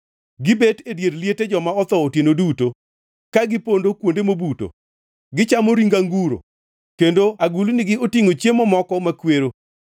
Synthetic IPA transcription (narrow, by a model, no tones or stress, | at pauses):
ɡɪbetedjeɾljeted͡ʒɔmaɔt̪ɔotenoduto | kaɡɪpondokwondemobuto̰ | ɡɪt͡ʃamoɾiŋɡaŋɡuɾo̰ | kendoaɡulunɪɡɪotiŋot͡ʃjemɔmɔkɔmakweɾo